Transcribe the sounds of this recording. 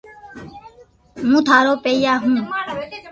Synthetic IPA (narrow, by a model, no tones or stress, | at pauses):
mũːt̪ʰaːɾoːpejaːɦũː